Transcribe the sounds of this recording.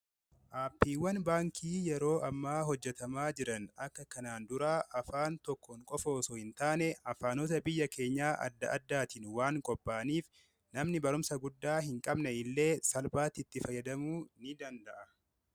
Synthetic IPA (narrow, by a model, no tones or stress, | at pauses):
ʔaːpːiːwːɐnbaːŋkʰiːjɛɾo̞ːʔɐmːaːɦɔd͡ʒːɛt̪ɐmaːd͡ʒɪɾɐnɐkːɐkɐnaːnd̪ʊɾaːʔɐfaːnt̪ɔkːɔŋkʼɔfoːsɔhɪnt̪aːnɛɐfaːnot̪ɐbɪjːɐkʰe̞ːɲːaːʔɐ̰d̪ːɐ̰ʔɐd̪ːaːt̪ɪnwaːŋkʼɔpʼːaːniːf | nɐmnɪbɐɾʊmsɐɡʊd̪ːaːɦɪŋkʼɐbnɛɪlːe̞ːsɐlbaːt̪ɪt̪ːɪfɐjːɐd̪ɐmuːnɪd̪ɐnd̪ɐʔɐ